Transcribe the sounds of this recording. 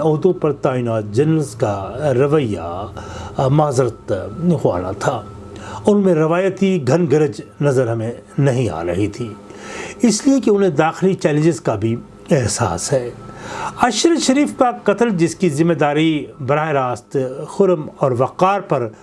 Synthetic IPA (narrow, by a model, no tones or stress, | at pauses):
ɔːd̪õpɐɾt̪aːinaːt̪̚d͡ʒɐnəlskaɾɐʋəjːa̰ | maːzɾət̪xa̰ːna̰t̪ʰaː | ʊnmẽɾɐʋaːjət̪iɡʱɐnɡɐɾəd͡ʒnɐzəɾɦɐmẽ | nɐɦĩa̰ːɾɐɦit̪ʰiː | ɪsliekeʊnɦẽd̪aːxɪlit͡ʃɛːl̃ɲd͡ʒɪzkabʱi | ɛɦsa̰ːsɦɛː | ɐʃɾəʃɐɾiːfkaqɐt̪əld͡ʒɪskizɪmːeːd̪aːɾibɐɾaːeɾaːst̪xʊɾmɔːɾʋɐqaːɾpɐɾ